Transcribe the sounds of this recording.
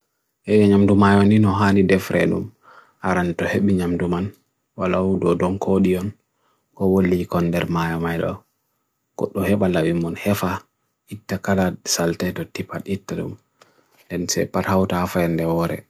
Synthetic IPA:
ʔɛjɛɲamdumajɔninɔɦanidɛfɾʔɛ̰ɗṵm | ʔaɾantɔheɓiɲamduman | walaudɔdɔnkʰoɗijɔn | kɔwolːikɔnːdɛɾmajɔmajɗɔ̰ | ɡ̥ɔ̰ɗːɔhɛɓalawimɔnhɛfa | itːakalasaltɛtɔtipaɗitːaɗṵm | ndɛnsɛ̰pathawtaafaɛndɛwɔɾɛ̰

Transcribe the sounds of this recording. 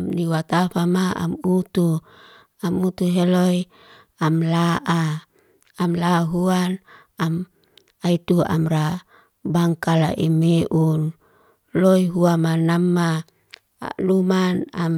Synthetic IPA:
mniwat̪afamaa̰mut̪u | amut̪uɦeloj | amlaʔaː | mlaɦuan | am | ait̪ua̰mɾa | baŋkala̰ʔimeʔun | loiɦuamanamːa̰ | lumanam

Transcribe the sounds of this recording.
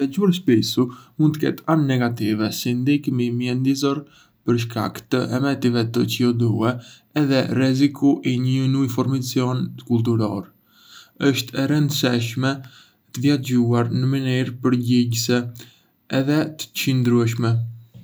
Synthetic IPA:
ɛd͡ʒuɾʃpisumund̪t̪əkɛ̰t̪anːɛɡat̪ivɛsind̪ikmimjɛnd̪izɔɾ | pəɾʃ̬ka̰kt̪əʔɛmɛt̪ivɛt̪ət͡ʃiɔd̪uɛ | ɛðɛrɛzikuʔiɲənujfɔɾmat͡sjɔnkult̪̬uɾɔ̰ɾ | əʃt̪ʰɛɾənd̪sɛʃmɛ | t̪əvjad͡ʑuaɾnəməniɾpəɾɟiɟsɛː | ðɛt̪ə̥t͡ʃənd̪ɾuɛʃ̬mɛ

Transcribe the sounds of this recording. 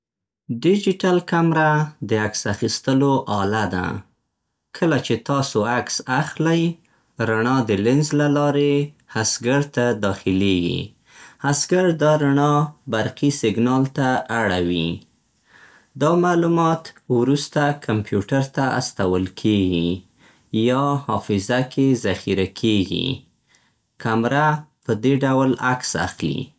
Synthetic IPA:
ɖɪd͡ʒɪʈalkamɾad̪əaksaxist̪əloʔɑlad̪a̰ | kʰəlat͡ʃet̪ɑsoaksaxlaj | ɾaɳɑd̪əlɪnzlalɑɾe | hasɡaɾt̪ad̪ɑxɪleɡḭ | hasɡaɾd̪ɑɾaɳɑbaɾqisɪɡnɑlt̪aaɽawi | d̪ɑmalumɑt̪wɾust̪akʰampjuʈaɾt̪aa̰st̪awəlkʰeɡi | jɑhɑfɪzakezaxiɾakʰeɡḭ | kamɾapəd̪eɖawlaksa̰xlḭ

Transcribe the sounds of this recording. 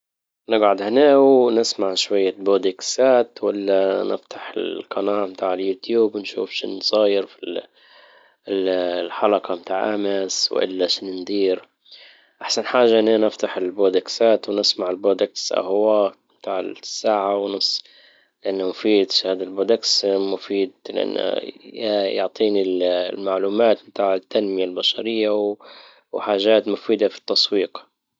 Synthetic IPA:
nɪɡʕʊd̪hɪneːwnɪsmaʕʃwajːaboːd̪ɪksaːt̪wɪlːanɪ̰ft̪ʰḁħɪ̰lqʰɑnaːʔmt̪aːʕɪljuːt̪juːbnʃṵːfʃɪ̰nsˤɑːjɪɾfi | lħɑlɑqɑmt̪aːʕʔamɪswʔɪ̰lːaʃnɪnd̪iːɾ | ʔaħsanħaːʒaʔɪnːanɪft̪aħɪlboːd̪aksaːt̪wnɪsmaʕɪlbɾod̪aksʔa̰hwaːʔ | mt̪aːʕɪ̰sːaːʕawnʊsˤː | lɪʔanːamʊfiːd̪ʃhaːd̪alboːd̪aksmʊfiːd̪lɪ̰ʔa̰n̰ːajʊʕt̪ˤiːnillmaʕluːmaːt̪mt̪aːʕɪt̪ːanmɪjalbaʃɑɾɪjːa | wħaːʒaːt̪mʊfiːd̪afi̥t̪ːɑsˤwiːq

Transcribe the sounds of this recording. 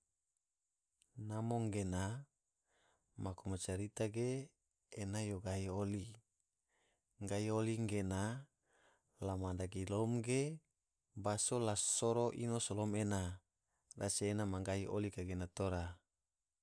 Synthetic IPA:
namoŋɡena | makomot͡ʃaɾit̪aɡeː | najoɡaɦioli | ŋɡaioliŋɡena | lamadaɡilomɡe | basolasoɾoʔinosolomena | raseenamaŋɡaiʔo̰likaɡenat̪oɾa

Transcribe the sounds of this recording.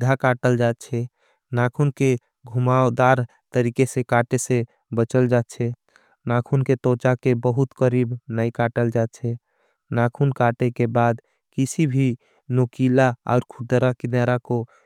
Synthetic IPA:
d̪ʱakaʈəld͡ʒat̪t͡ʃʰɛ | nakʰunke | ɡʱumaod̪aɾ | t̪əɾikesẽkaʈesẽ | bət͡ʃəld͡ʒat̪t͡ʃʰɛ | nakʰunket̪ot͡ʃakebəɦut̪kəɾibnəjkaʈəld͡ʒat̪̚t͡ʃʰɛ | nakʰunkaʈekebad̪ | kisibʱi | nokilaa̰ʊɾkʰud̪əɾakid̪aɾako

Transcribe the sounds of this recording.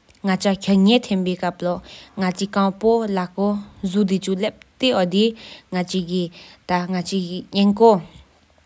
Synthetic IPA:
ŋat͡ɕʰakʰəlŋet̪ʰenpekap̚loŋat͡ɕikɑŋpolakozud̪it͡ɕulep̚t̪eod̪iŋat͡ɕʰikit̪aŋat͡ɕʰiɲenko

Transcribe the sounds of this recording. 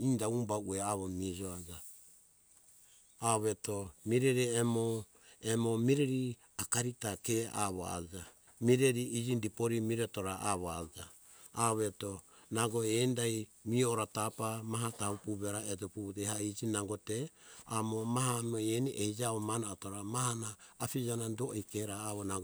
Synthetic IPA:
indaumbaueaβomid͡ʒoad͡ʒa | aβetomiɾeɾiemo | emomiɾeɾi | akaɾitakea̰βo̰a̰d͡ʒa | miɾeɾiid͡ʒindipoɾimiɾetoɾaʔaβoad͡ʒaː | βetonaɡoendaj | mioɾatapamaɦataupuβeɾaed͡ʒoputehaid͡ʒinaŋɡoteamomaɦamoeniʔehid͡ʒaβomanatoɾamahanaːpid͡ʒanandoʔikeɾaːβonaɡ

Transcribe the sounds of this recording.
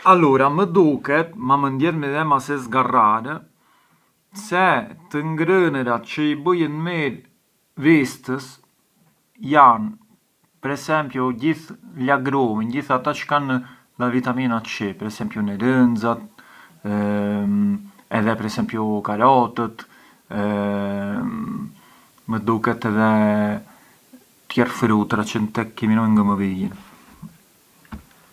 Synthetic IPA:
aluɾaməd̪ukɛt̪mamənd̪jɛɾmiðɛmasɛsɡaraɾə | sɛt̪əŋɡɾənəɾat̪t͡ʃəibəjənmiɾ | vist̪əs | jan | pəɾɛsɛmpjuɟiθlaɡɾuminɟiθat̪at͡ʃə̥kan | lavit̪aminat̪t͡ʃipəɾɛsɛmpjunɛɾənd͡zat̪ | ɛðɛpəɾɛsɛmpjukaɾɔt̪ət̪ | məd̪ukɛt̪ɛðɛ | t̪jɛrfɾut̪ɾat͡ʃənt̪ɛkːiminɔjŋɡaməvijin

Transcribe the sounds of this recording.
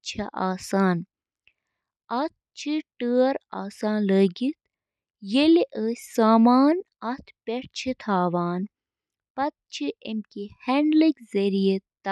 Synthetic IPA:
t͡ʃʰɐʔaːsaːn | ɐt̪̚ʰt͡ʃʰiʈəːɾa̰ːsaːnləːɡit̪̚ | jeliʔəːsʲsaːmaːnɐt̪ʰpeʈt͡ʃʰit̪ʰaːʋaːn | pɐt̪̚t͡ʃʰiʔemkiheɳɖlikzɐɾijet̪ː

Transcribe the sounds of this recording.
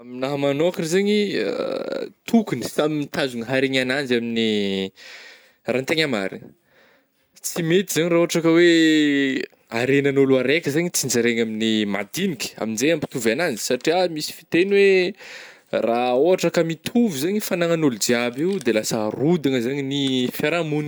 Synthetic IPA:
aminaɦəmanokirizaɲia̰t̪ʰukuni̥samimit̪azuŋəɦaɾeɲanand͡ʒamini | raːnt̪eɲama̰ɾḭnə̥ | t͡simet̪izaɲiraoɦaʈ͡ʂakəwe | aɾenənoluaɾekʲəzaɲit͡sind͡ʒaɾeɲaminima̰d̪inikʲa̰minzejampi̥t̪uvanand͡zi̥saʈ͡ʂiamisi̥fi̥t̪enwe | raoɦaʈ͡ʂakəmit̪ʰuvizaɲifanaŋanulud͡ʒiabiwd̪elasərud̪aŋəzaɲinifaɾamuni

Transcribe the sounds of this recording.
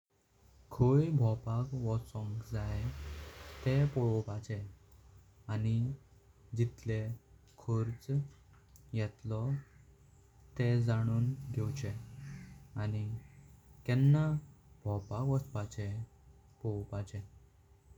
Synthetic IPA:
kʰojbʱɔpakʋɔt͡sɔ̃ŋkd͡zae | t̪ɛpɔɭɔpat͡ɕɛ | ani | d͡ʑit̪le | kʰoɾt͡s | jɛt̪lɔ | t̪ɛd͡zaɽ̃uːnɡʱɛwt͡ɕɛ | ani | kɛ̃nːabʱɔpakʋɔspat͡ɕɛ | pɔwpat͡ɕɛ̃

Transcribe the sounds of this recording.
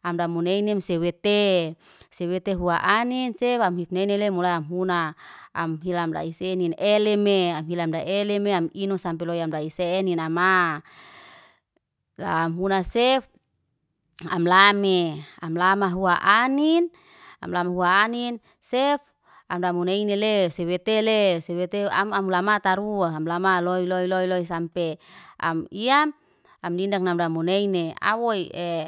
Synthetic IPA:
amdamuneinemsewet̪e | sewet̪eɦuaʔaninsefamɦifnɛnelemulajamɦuna̰ːmɦilamda̰iseninelemeamɦilamdaʔelemeaminosampɛlojamdaiseninama | la̰ːmɦunasef | a̰mlameamlamaɦuaʔanin | a̰mlamaɦuaːnin | sɛf | amdamuneinelesewet̪elesewet̪eamamulamat̪aɾuaamlamaloiloiloiloisampea̰miam | amdindak̚namdamuneinea̰woie

